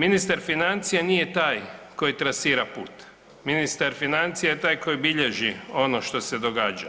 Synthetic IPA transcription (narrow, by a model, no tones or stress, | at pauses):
minist̪aɾfinant̪sijanije̞t̪aːjko̞jit̪ɾasiːɾapuːt̪ | minist̪aɾfinant̪sijajet̪aːjko̞jbiʎe̞ʒio̞noʃt̪o̞se̞d̪oɡaːd͡ʒa̰